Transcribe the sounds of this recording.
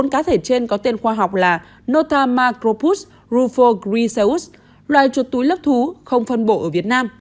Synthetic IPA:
o˨˦nkaː˨˦t̪ʰe˧˩t͡ɕe˧nkɔ˨˦t̪e˧nxwaː˧ɦa˨˩wk͡p̚laː˨˩ | no˧t̪aː˧maː˧kɾo˧pu˦˥s | ɾu˧fo˧kɾi˧sə˧u˦˥s | lwaː˨jt͡ɕu˨˩ət̚t̪u˨˦jlə˦˥p̚t̪ʰu˨˦xə˧wŋ͡mfə˧nɓo˧˩ʔəː˧˩vi˨˩ət̚naː˧m

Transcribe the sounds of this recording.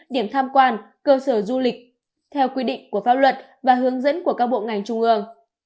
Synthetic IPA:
ɗi˧˩əmt̪ʰaː˧mkwaː˧n | kəː˧səː˧˩zu˧lï˨˩k̟̚ | t̪ʰɛ˧wkwi˧ɗḭ̈˧˨ŋku˧˩əfaː˦˥p̚lwə˨˩t̚ | vaː˨˩ɦɨ˨˦əŋzə̰˧˥nku˧˩əkaː˦˥k̚ɓo̰˧˨ŋa˨˩jŋ̟t͡ɕʊ˧ŋ͡mʔɨ˧əŋ

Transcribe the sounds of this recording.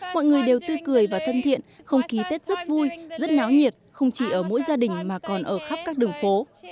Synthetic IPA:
mɔ̰˧˨jŋɨ˨˩əjɗe˨˩wt̪ɨ˧kɨ˨˩əjvaː˨˩t̪ʰə˧nt̪ʰḭ˧˨ən | xə˧wŋ͡mxi˨˦t̪e˦˥t̚z̥ə˦˥t̚vu˧jzə˦˥t̚naː˨˦wɲi˨˩ət̚xə˧wŋ͡mt͡ɕi˧˩ʔəː˧˩mo̰˧˥jzaː˧ɗï˨˩ŋ̟maː˨˩kɔ˨˩nʔəː˧˩xa˦˥p̚kaː˦˥k̚ɗɨ˨˩ŋfo˨˦

